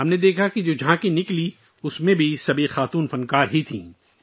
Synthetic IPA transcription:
ɦɐmned̪eːkʰakid͡ʒoːd͡ʒʱãːkenɪkli | ʊsmẽbʱisɐbʱixaːt̪uːnfɐnkaːɾɦit̪ʰḭ̃ː

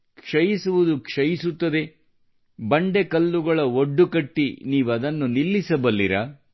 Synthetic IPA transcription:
kʂɐjisuʋud̪ukʂɐjisut̪ːɐd̪e̞ | bɐɳɖe̞kɐlːuɡɐɭɐoɖːukɐʈːiniːʋuɐd̪ɐnːunilːisɐbɐlːiɾɐ

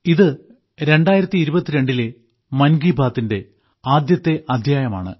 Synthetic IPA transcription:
iðɨ | ɾe̞ɳɖaːjiɾɐt̪ːiːɾubɐt̪ːiɾeɳɖile | mɐnɡiːbʱaːt̪ːinde̞ | aːd̪jɐt̪ːe̞ʔɐd̪ʱjaːjɐma̰ːɳɨ̰

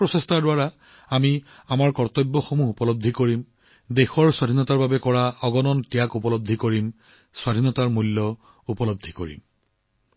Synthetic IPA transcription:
pɹɔsestʰaɹdʊwaɹa | ami | amaɹkɔɹt̪ɔjbːɔxomuɦupɔlob̚d̪ʱikoɹim | dexɔɹswadʱinɔtaɹbabɛkɔɹaɔɡɔnɔntijakupɔlob̚d̪ʱːikoɹim | swadʱinɔtaɹmulːɔ | upɔlob̚d̪ʱːikoɹḭm

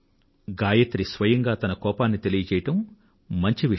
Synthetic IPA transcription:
ɡaːjɐt̪ɾisʋɐjɐŋɡaːt̪ɐnɐkɔːpaːnːit̪e̞lijɐt͡ʃɛːjɐʈɐmː | ɐɲt͡ʃiʋi

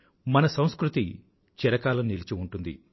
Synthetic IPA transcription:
mɐnɐsɐ̃w̃skɾut̪i | t͡ʃɛɾɐkaːlɐmnilit͡ʃiuɳʈund̪ḭ

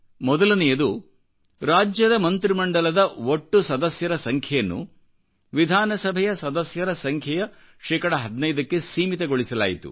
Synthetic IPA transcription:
mɔd̪ɐlɐnɛjɐd̪u | ɾaːd͡ʒjɐd̪ɐmɐnt̪ɾimɐɳɖɐlɐd̪ɐoʈːusɐd̪ɐsjɐɾɐsɐŋkʰjɐjɐnːṵ | ʋid̪ʱaːnɐsɐbʱɛjɐsɐd̪ɐsjɐɾɐsɐŋkʰjɐjɐ | ʃɛːkɐɽɐɦɐd̪nɐjd̪ɐkːe̞siːmit̪ɐɡo̞ɭisɐla̰ːjit̪ṵ

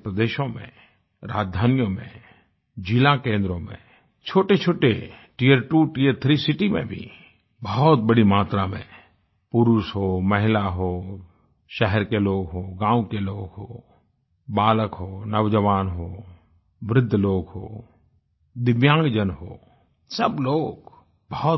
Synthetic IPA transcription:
pɾəd̪eːʃõmḛ̃ | ɾa̰ːd͡ʒd̪ʱaːnjõmḛ̃ | d͡ʒɪlakẽːnd̪ɾõmḛ̃ | t͡ʃʰoːʈet͡ʃʰoːʈeʈiəɾʈuːʈiəɾt̪ʰɾisɪʈimḛ̃bʱḭ | bəɦɔt̪̚bəɽimaːt̪ɾamḛ̃ | pʊɾuʃɦoːmɐɦɪlaɦoː | ʃɛɦɛɾkeloːɡɦoːɡãːũkeloːɡɦoː | baːləkɦoːnəʋd͡ʒəʋaːnɦoː | ʋɾɪd̪ʱːloːɡɦo̰ː | d̪ɪʋjãːŋɡd͡ʒənɦo̰ː | səbloːɡ | bəɦ̪

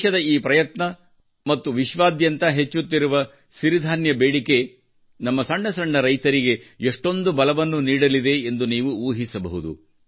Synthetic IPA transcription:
ʃɐd̪ɐiːpɾɐjɐt̪nɐ | mɐt̪ːuʋiʃʋaːd̪jɐnt̪ɐɦe̞t͡ʃːut̪ːiɾuʋɐ | siɾid̪ʱaːnjɐbeːɽike̞ | nɐmːɐsɐɳɖɐsɐɳɖɐɾɐjt̪ɐɾiɡe̞eʂʈo̞nd̪ubɐlɐʋɐnːuniːɽɐlid̪e̞ːnd̪uniːʋuuːɦisɐbɐ̰ɦud̪ṵ

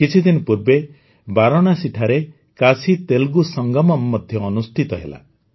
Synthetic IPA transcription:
kit͡ʃʰid̪inɔpuɾbe | baɾɔɽ̃asiʈʰaɾe | kasit̪elɡusɔŋɡɔmɔmːɔd̪ʱjɔːnust̪ʰit̪ɔɦḛla̰

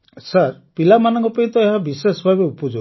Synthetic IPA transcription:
saɾpilamanɔŋkɔpaĩt̪ɔeɦabisesɔbʱabeupɔd͡ʒo

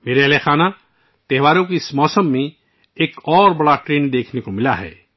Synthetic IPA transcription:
meːɾelexaːna | t̪ɛɦʋaːɾõkismɔːsəmːẽ | eːkɔːɾbɐɽaʈɾeːnd̪eːkʰnekomɪlaɦɛ̰ː

